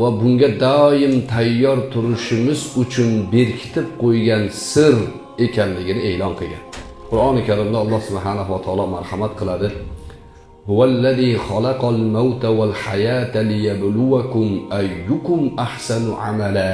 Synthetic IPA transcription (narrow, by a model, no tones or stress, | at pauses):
vabʊŋɡʲad̪ɒjɪmt̪ʰajːɒɾt̪ʰʊɾʊʃɪmɪzʊt͡ʃʰʊnbe̞ɾkʲʰɪ̥t̪ʰɪp̚qʰojɡʲansɪɾ | e̞kʲʰanlɪɡʲɪnɪe̞ːlɒnqʰɨlˠɡʲan | qʰʊɾɑnɪkʲʰaɾɪmd̪aɒlˠːɑhsʊbħanaɦuwat̪ʰɑɑːlˠɒmaɾhamat̪̚qʰɨlˠad̪ɪ | hʊwalːaðiχɑlɑqɑlmawt̪ʰawalħajat̪alɪjablʊwakʊmajːʊkʊmaħsanʊʕa̰mala